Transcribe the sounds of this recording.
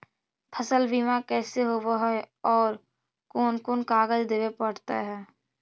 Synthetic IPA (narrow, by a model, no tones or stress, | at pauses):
pʰəsəlbiːmakɛːseɦoːʋoɦɛɔːɾ | koːnkoːnkaːɡəd͡ʒd̪eːʋepəɽt̪a̰ɦɛː